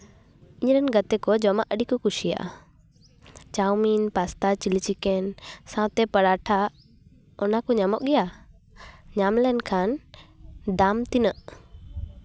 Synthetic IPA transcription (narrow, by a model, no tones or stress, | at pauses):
ɪɲɾɛnɡət̪ɛkɔd͡ʒɔmaʔəɗikɔkuʃija̰ʔ | t͡ʃawminpast̪at͡ʃilit͡ʃikɛnsãwt̪ɛpəɽaːʈʰa | ɔnakɔɲamɔʔɡɛja | ɲaːmlɛnkʰaːn | d̪aːmt̪inəʔ